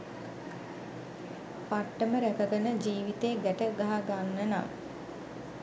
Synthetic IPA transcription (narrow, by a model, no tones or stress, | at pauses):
paʈːəməɾækəɡənəd͡ʒiːʋit̪eɡ̪æʈəɡaɦaɡanːəna̰ŋ